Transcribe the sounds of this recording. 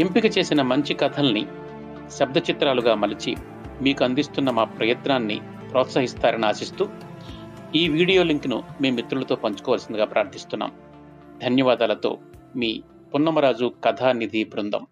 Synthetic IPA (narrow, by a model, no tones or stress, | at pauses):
empikɐt͡ʃeːsinɐmɐɲt͡ʃikɐt̪ʰɐlnḭ | ʃɐb̚d̪ɐt͡ʃit̪ɾaːluɡaːmɐlit͡ʃḭ | miːkuɐnd̪ist̪unːɐmaːpɾɐjɐt̪naːnːḭ | pɾɔːt̪sɐɦist̪aːɾɐniaːsist̪uː | iːʋiːɽijo̞ːliŋknṵme̞ːmːit̪ɾulɐt̪o̞ːpɐɲt͡ʃu̥kɔːʋalɐsind̪ɐɡaːpɾaːɾt̪ʰist̪unːa̰ːm | d̪ʱɐnjɐʋaːd̪aːlɐt̪o̞̰ːmiː | punːɐmɐɾaːd͡ʒukɐt̪ʰaːnid̪ʱipɾund̪ɐ̰m